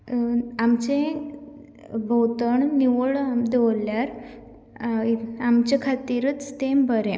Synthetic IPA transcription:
amt͡ɕẽ | bʱəwt̪əɳniʋəɭmd̪ewljaɾ | amt͡ɕekʰat̪iɾət͡st̪embəɾẽ

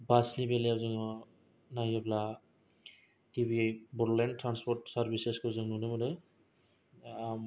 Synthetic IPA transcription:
basnibelijazɯŋɔ | najɔbla | tibibuɾlentɾanspɔɾtsaɾbiseskɔzɯŋnunɯmɔdɯ

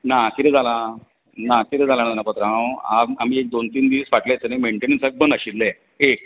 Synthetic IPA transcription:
nak̪iɾed͡zʱala | nak̪iɾed͡zʱalananapət̪ɾãwaam̤iːek̚d̪ont̪iːnd̪iʋsʋaʈlajt͡sənaimeɳʈenĩŋsək̚bənd̪əɕille | ek̚

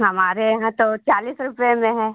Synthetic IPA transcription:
ɦɐmaːɾejɐɦãt̪ot͡ʃaːliːsɾʊpjemẽɦɛ̃ː

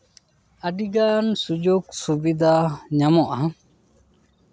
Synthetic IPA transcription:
aɖiɡansud͡ʒoksubid̪aɲamɔʔa

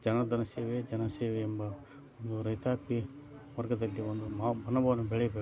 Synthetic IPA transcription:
d͡ʒɐnɐd̪ɐnɐseːʋed͡ʒɐnɐseːʋeːmbɐ | ond̪uɾɐjt̪aːpi | ʋɐɾɡɐd̪ɐlːiond̪uabʱɐnːɐbɐʋɐnubɛɭɛjɐbe

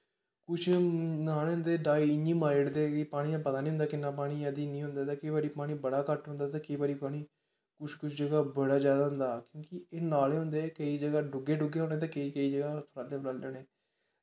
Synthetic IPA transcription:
kʊt͡ʃʰnaːleːɦʊ̃nd̪eːɖaːiːɪɲiːmaːɾɽd̪eːipaːɽ̃iːãpət̪aːnĩːɦʊ̃nd̪aːkɪnːãːpaːɽ̃iːəd̪iːnĩːɦʊ̃nd̪aːt̪ãːkɪiːbaːɾiːpaːɽ̃iːbəɽaːkəʈɦʊ̃nd̪aːt̪̬ãːkɪiːbaːɾiːpaːɽ̃iː | kʊt͡ʃkʊt͡ʃʰd͡ʒəɡaːbəɽaːd͡ʒjaːd̪aːɦʊnd̪aːkjõːkɪeːnaːleːɦʊ̃nd̪eːkəiːd͡ʒəɡaːɖʊɡeːɖʊɡeːɦõːnẽːt̪ãːkəiːkəiːd͡ʒəɡaːt̪ʰɾaːd̪eːblaːld͡ʒɛːneː

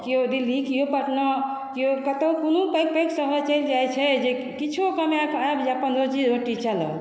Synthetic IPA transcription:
kijod̪ilikijopəʈna | kijokət̪əkonopək̚peksəɦət͡ʃəjld͡ʒajt͡ʃʰɛd͡ʒe | kit͡ʃʰukəmeakʰabd͡ʒeəpənd̪ɾot͡ʃid͡ʒoʈit͡ʃalə̰l

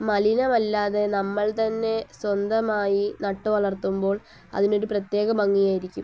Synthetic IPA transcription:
mɐlinɐmɐlːaːðe̞nɐmːɐɭt̪ɐnːe̞swɐnd̪ɐmaːjinɐʈːuʋɐɭɐrt̪umbo̞ːɭ | ɐ̰ðino̞ɾuprɐt̪je̞ːɣɐmɐŋːijaːjiɾikʲːum

